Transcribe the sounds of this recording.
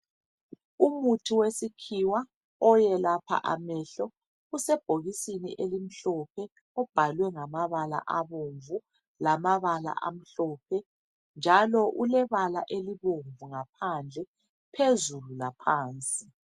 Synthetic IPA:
umutʰiwesikʰiwa | ɔjɛlapʰa̰ʔamɛɬɔ | usɛb̥ʱoɣisinḭʔelim̩ɬɔpʰɛ | ɔb̥ʱalwɛŋamaβala̰ʔaβoɱvu | lamaβala̰ʔa̰m̩ɬɔːpʰɛ | nd͡ʒʱalɔʔulɛβala̰ʔeliβoɱvuŋapʰand͡ɮʱɛ | pʰezululapʰaːnt͡sʼi

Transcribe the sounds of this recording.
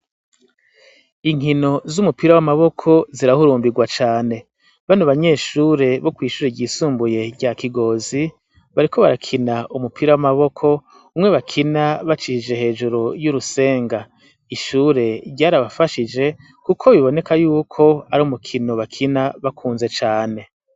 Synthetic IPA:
iŋ̥ino̞zumupiɾawamaβo̞kʰo̞ziɾahuɾuːmbiɡwat͡ʃaːne̞ | βanoβaɲe̞ːʃuːɾe̞βo̞kwiːʃuːɾeɟiːsuːmbuje̞ɟakiɡo̞zi | βaɾiko̞βaɾakʰinaʔumupʰiɾawamaβo̞kʰo̞ | umŋe̞βakʰinaβat͡ʃihid͡ʒe̞he̞ːd͡ʒuɾojuɾuse̞ːŋɡa | iʃuːɾe̞ɾɟaːɾaβafaʃid͡ʒe̞ | kukʰo̞βiβo̞ne̞kajuːkʰo̞aɾomukʰino̞βakʰinaβakʰuːnze̞t͡ʃaːne̞

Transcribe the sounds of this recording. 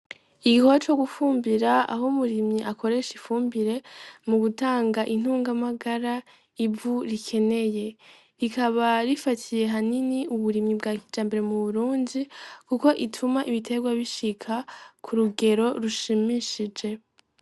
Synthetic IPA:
iɡikot͡ʃo̞ɡufuːmbiɾaa̰ɦomuɾimɲiʔako̞ɾe̞ʃifuːmbiɾe̞muɡutaːŋɡaʔin̥uːŋɡamaɡaɾa | ivuɾikʰe̞ne̞je̞ | ɾikʰaβaɾifatʰije̞ɦaniniuβuɾimɲibɡaːkid͡ʒaːmbe̞ɾe̞muβuɾuːndikuko̞ʔitʰumaʔiβitʰe̞ɡwaβiʃikʰakʰuɾuɡe̞ɾo̞ɾuʃimiʃid͡ʒe̞

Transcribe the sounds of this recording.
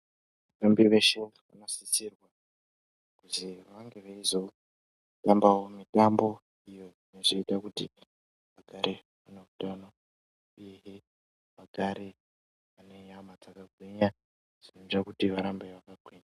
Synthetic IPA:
ʋatambiʋeʃeʋa̰nosisirwa | kuziʋaŋɡe̞ʋeizo̞ | tambawo̞mitambo̞ | ijo̞ineʐiitakutḭ | ʋaɡʱaɾe | ʋuneutano | uje̞ɦe | ʋaɡʱaɾe | ʋanejamat͡sakaɡʱweɲa | ʐ̥ineʐakutiʋaɾambeʋakaɡʱwiɲa

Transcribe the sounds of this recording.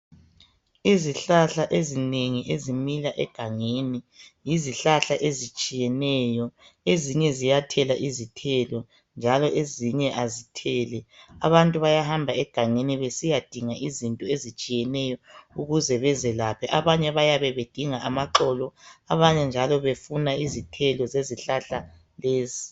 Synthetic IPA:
iziɬaɬaʔezineŋiʔezimilaʔɛ̰ɡ̥ʱaŋenijiziɬaɬaʔezit͡ʃʼijɛnɛjɔ | eziɲɛzijatʰɛlaʔizitʰɛlɔ | nd͡ʒʱalɔʔeziɲɛʔazitʰɛːlɛa̰βantʼuβajahambʱaɛɡ̥ʱaŋeniβesijad̥ʱiŋaʔizintʼɔezit͡ʃʼijɛnɛjɔuɣuzɛβɛzɛlapʰɛʔaβaɲɛβajaβɛβed̥ʱiŋaamaǃɔlɔaβaɲɛnd͡ʒʱalɔβefunaizitʰɛlɔzeziɬaɬa | leːzi

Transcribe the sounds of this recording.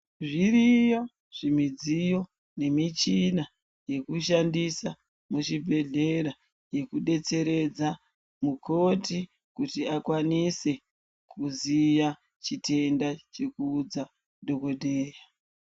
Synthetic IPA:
ʐirijo̞ | ʐ̥imid͡zijo̞ | ne̞mit͡ʃina | je̞kuʃandisa | muʃibʱe̞ɮe̞ɾa | je̞kuɗe̞t͡se̞ɾe̞d͡za | mukʰo̞ti | kutiakwanise̞ | kʰuzija | t͡ʃitʰe̞ndat͡ʃe̞kuːd͡za | dʱo̞kodʱeːja

